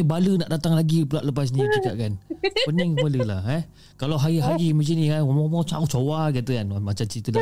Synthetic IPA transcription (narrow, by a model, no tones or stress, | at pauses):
balənaʔdat̪aŋlaɡipulaʔləp̬as̬nĩt͡ʃikaʔ̚kanpəniŋbaləlaha | kalawɦaiɦaɾiməd͡ʒənĩaɔmɔmãt͡ʃaut͡ʃowaɡiat̪əkanamat͡ʃamt͡ʃɾit̪əda